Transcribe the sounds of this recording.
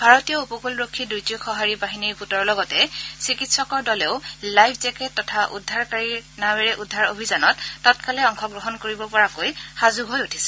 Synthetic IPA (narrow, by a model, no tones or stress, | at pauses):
bʱaɹɔtijɔupɔkulɹokʰːidujtiokʰɔɦaɹibaɦiniɹɡutɔɹlɔɡɔtɛsikitsɔkɔɹdɔleʊlajpʰzɛkɛtːɔtʰaʔṵdʱːaɹkaɹinaweɹɛʔudʱːaɹobʱizanɔtːɔtkalɛɔŋkʰɔɡɹɔɦɔnkoɹibɔpɔɹakojhazuɦojutʰi̥sɛ̥